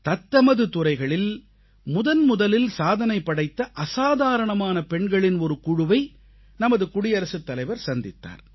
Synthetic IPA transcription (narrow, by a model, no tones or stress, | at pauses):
t̪ɐt̪ːɐmɐðɯt̪ʊrɐɪɣɐɭɪl | mʊðɐnmʊðɐlɪlsaːðɐnɐɪpːɐɽɐɪt̪ːɐʔɐsaːðaːɾɐɳɐmaːnɐpɛɳɡɐɭɪnɔɾɯkʊɻʊʋɐɪ | nɐmɐðɯkʊɽɪjɐɾɐsɯt̪ːɐlɐɪʋɐɾsɐnd̪ɪt̪ːa̰ːɾ